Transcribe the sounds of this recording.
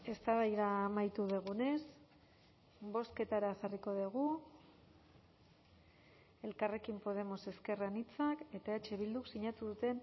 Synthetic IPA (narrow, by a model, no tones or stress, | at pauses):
e̞st̪aβajðaːmajt̪uðeɣ̞une̞s | bo̞ske̞t̪aɾaʝariko̞ðeɣ̞u | e̞lkare̞kimpo̞ðe̞mo̞se̞ske̞ranit͡sake̞t̪ae̞t͡ʃe̞βild̪uksiɲat̪uðut̪e̞n